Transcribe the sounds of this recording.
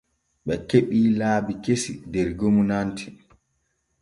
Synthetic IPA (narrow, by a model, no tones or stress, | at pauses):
ɓɛkeɓiːlaːbikesidɛɾɡomunantʰi